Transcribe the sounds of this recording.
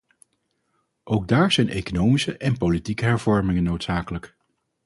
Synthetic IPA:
ʔowɡ̚daːɹz̥ɛjnʔejkonowmisəʔɛnpolitikəɦɛɹvɔɹmɪŋənːowtsaːkələk

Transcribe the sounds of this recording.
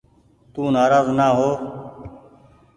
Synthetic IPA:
t̪uːnaːɾaːznaːɦoː

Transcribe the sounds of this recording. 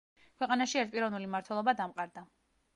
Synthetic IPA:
kʰwɛqʼanaʃiɛɾt̪pʼiɾɔvnulimaɾt̪ʰwɛlˠɔbad̪amqʼaɾd̪a

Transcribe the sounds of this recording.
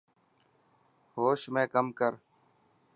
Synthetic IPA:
hoːʃmẽːkəmkəɾ

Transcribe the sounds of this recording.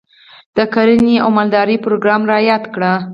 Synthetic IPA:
d̪̥əkaɾənia̰wmald̪ɑɾipɾoɡɾɑmɾɑjɑd̪kɽa

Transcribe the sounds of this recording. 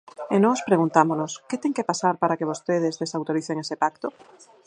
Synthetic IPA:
enõŋospɾeɣ̞unt̪amonosket̪eŋkepasaɾpaɾakeβ̞ost̪eð̞ezðesawt̪oɾiθeŋesepakt̪o

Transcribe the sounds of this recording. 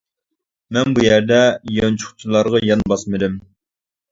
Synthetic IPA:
mɛnbujæɾd̪ɛjɑnt͡ʃʰʊ̥χt͡ʃʰilˠɑɾʁɑjɑnbɑsmɨd̪ɪm

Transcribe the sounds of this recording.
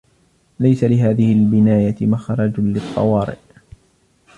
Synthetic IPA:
lajsalɪɦaːðɪhɪlbɪnaːjamaxɾˤɑd͡ʒlɨt̪ˤːɑ̰wɑːɾɪ̰ʔ

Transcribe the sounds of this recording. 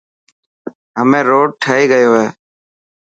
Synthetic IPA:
ɦəmẽːɾoːɖ̚ʈʰəɦiːɡəjoːɦeː

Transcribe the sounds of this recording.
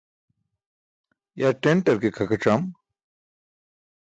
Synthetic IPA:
jaʈeɳʈɐɾkekʰɐkɐʈ͡ʂam

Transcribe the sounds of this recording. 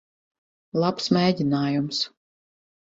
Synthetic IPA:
lˠapsmʲeːd̪ʲinaːjums

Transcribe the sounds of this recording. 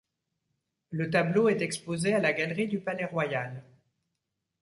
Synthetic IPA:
lət̪abloɛt̪ɛkspozealaɡalʁid̪ypalɛʁwajal

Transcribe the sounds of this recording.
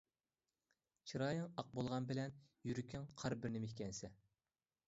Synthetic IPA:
t͡ʃʰiɾɑːjɪŋɑq̚bolˠʁɑnbɪlɛnjyɾykʲʰiŋqʰɑɾbɪɾnɪmɪhkʲɛnsɛ

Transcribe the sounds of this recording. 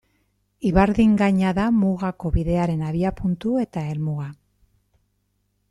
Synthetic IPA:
iβaɾðiŋɡaɲaðamuɣako̞βiðe̞aɾe̞naβiapunt̪ue̞t̪ae̞lmuɣa

